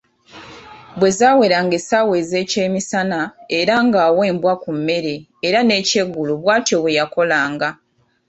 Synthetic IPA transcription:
bwe̞zaːwe̞ɾaŋɡesaːwe̞ːze̞ːce̞ːmisanaeɾaŋɡaːwe̞ːmbwakumːe̞ɾe̞ː | ɾane̞ːce̞ɡːuluβwaːtjoβwe̞jako̞laːŋɡa

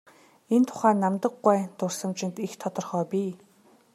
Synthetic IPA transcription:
ent̪ʰʊ̥χæːnamt̪ə̆ɡːæːt̪ʊrsə̆mt͡ɕɪ̆nt̪ixt̪ʰɔt̪ɞ̆rχœːpʲiː

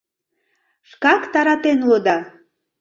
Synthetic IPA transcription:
ʃkɑkt̪ɑɾɑt̪enulod̪ɑ

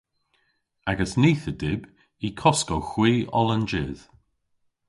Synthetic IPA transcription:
aɡəsniːθədɪb | ikʰɔskɔwxwiːʔɔlənd͡ʒɪːð̥

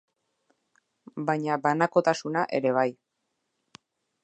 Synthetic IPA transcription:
bajɲabanako̞t̪asunaʔe̞̰ɾe̞β̞aj

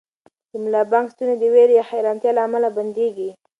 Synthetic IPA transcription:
dəmlɑbɑŋkst̪uned̪əweɾjaxajɾɑnt̪jɑlaːmalaband̪eɡi

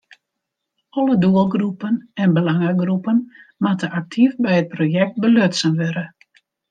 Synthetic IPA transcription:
ɔləduəlˠɡrupənɛnbəlaŋəɡrupənmatəʔak̚tʰifbɛjət̚projɛk̚t̚bəløtsənʋɛɾə

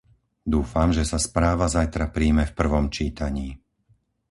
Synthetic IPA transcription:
d̪uːfamʒɛsaspɾaːʋazajt̪ɾapɾiːmɛfpr̩ʋɔmt͡ʃiːt̪aɲiː

